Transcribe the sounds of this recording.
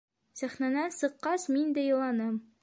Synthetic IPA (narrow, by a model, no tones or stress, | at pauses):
sæχnænænsɤ̆qːɑsmind̪æjɤ̆lˠɑnɤm